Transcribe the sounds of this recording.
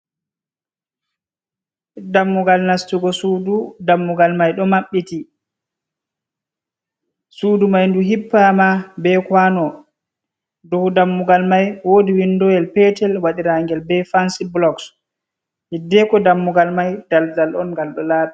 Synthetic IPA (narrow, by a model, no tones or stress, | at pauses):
damːuɡalnastuɡɔsududamːuɡalmajɗɔmaɓːiti | suːdumajnduɦipːamabɛkwanɔ | dɔhudamːuɡalmajwodiwindɔjɛlpɛtɛlwaɗiɾaŋɡɛlbɛfansiblɔks | hidːɛkɔdamːuɡalmajd̥aldalʔɔnŋɡalɗɔlaːɓa